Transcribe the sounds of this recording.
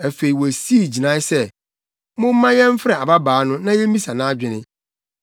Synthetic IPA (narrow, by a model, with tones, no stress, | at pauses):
æ˨fe˨i˨wɔ˨si˦i˦˨d͡ʑi˨nã˦sɛ˦˨ | mʊ̃˦m˦mã˦ɲɛ̃˦m̩˦fɾɛ˨a˨ba˦baː˨˦nʊ̃˦nã˦jɛ˦mĩ˦sa˨nã˦d͡ʑᶣɪ˨nɪ̃˦